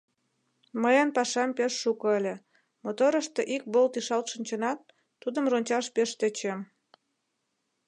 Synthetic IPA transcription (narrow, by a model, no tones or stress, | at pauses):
məjənpɑʃɑmpeʃːukoəlʲe | mot̪oɾəʃt̪eʔik̚bolt̪iʃɑlt̪ʃənʲt͡ɕənɑt̪ː | ud̪əmronʲt͡ɕɑʃpeʃt̪et͡ɕem